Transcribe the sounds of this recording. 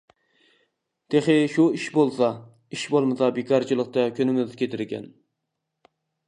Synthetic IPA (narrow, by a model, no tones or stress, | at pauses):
t̪ʰeχɪʃuiʃbolˠsɑ | iʃbolˠmɨsɑbekʰɑɾt͡ʃʰilˠəqt̪ɑkʲʰønɪmɪzkʲʰet̪ʰɪɾɡʲɛ̰n